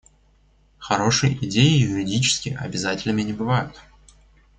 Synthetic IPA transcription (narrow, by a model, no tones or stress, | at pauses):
xɐɾo̞ʂɨj̰ʔɪdʲejɪjʊɾʲɪdʲit͡ɕɪ̥skʲɪʔɐ̰bʲɪzatʲɪlʲnəmʲɪnʲɪbɨvajʊt̪